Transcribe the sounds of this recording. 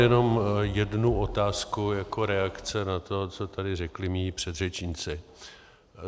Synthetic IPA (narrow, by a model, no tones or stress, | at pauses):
jɛno̞mjɛdnuʔo̞t̪aːskujako̞ɾɛakt͡sɛnat̪o̞t͡so̞t̪adɪrɛklɪmiːpr̝̥ɛd̪rɛt͡ʃɲɪt͡sɪ